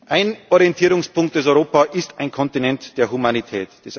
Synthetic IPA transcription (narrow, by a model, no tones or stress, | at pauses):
ʔaɪnʔɔʁientʰiːɾʊŋspʰʊŋk̚t̚d̥esɔʏʁoːpaʔɪstaɪnkʰɔntinɛntd̥eːɐɦumanitʰɛːtd̥es